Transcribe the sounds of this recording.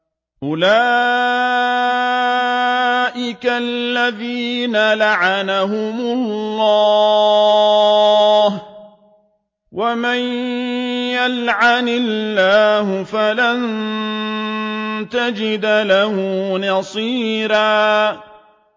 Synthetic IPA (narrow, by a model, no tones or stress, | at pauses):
ʔʊlaː | ʔɪkalːaðiːnalaʕanaɦʊmʊlːɑː | h | waman | jalʕanɪlːaːɦʊfalan | t̪ad͡ʒɪd̪lahʊnɑsˤiːɾaː